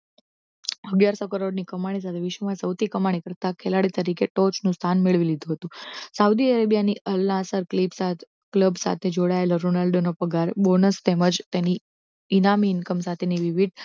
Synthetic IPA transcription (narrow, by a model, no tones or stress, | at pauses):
əɡjaɾsokəɾoɽnikəmaɽ̃is̬at̪ʰeʋɪʃʋəmãsəwt̪ʰikəmaɽ̃ikəɾt̪akʰelaɽit̪əɾikeʈot͡ʃnũst̪ʰanmiɭʋilid̪ʱuɦət̪ũsaud̪iəɾebijaniʔəlːãasəɾklipsat̪ | kləbsa̰t̪ʰed͡ʒoɽaeloɾonalɖonopəɡaɾbonəst̪eməd͡ʒt̪eniː | namiːnkəmsat̪ʰeniʋiʋid̪̚